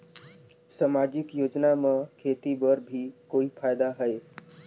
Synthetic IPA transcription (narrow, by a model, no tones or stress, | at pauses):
samad͡ʒɪkjoːd͡ʒnamẽkʰet̪ibəɾbʱikoːipʰajd̪aɦəe